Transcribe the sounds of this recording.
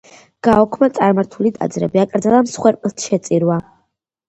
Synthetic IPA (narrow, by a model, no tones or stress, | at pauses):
ɡ̥aɔkʰmat̪sʼaɾmaɾt̪ʰulid̪ʰʼa̰d̪zɾɛbiakʼɾd̪zalamsχwɛɾpʼlt̪ʰʃɛt̪sʼiɾwa